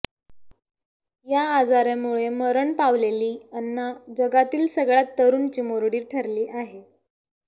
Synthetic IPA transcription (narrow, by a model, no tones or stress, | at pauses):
jaːd͡zaɾjamuɭeməɾəɳpaʋleliːənːad͡ʑəɡat̪iːlsəɡɭat̪ːəɾuːnt͡ɕiːmoɾɽiːʈʰəɾliːʔaɦe